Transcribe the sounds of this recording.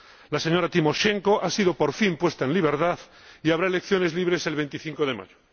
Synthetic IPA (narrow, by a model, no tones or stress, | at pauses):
laseɲo̞ɾat̪imo̞ʃe̞ŋko̞ʔasiðo̞po̞ɾfimpwe̞st̪aenliβ̞e̞ɾt̪aθ | iaβɾaele̞kθjo̞ne̞zliβ̞ɾe̞se̞lβe̞nt̪iθĩŋko̞ðe̞ma̰ʝo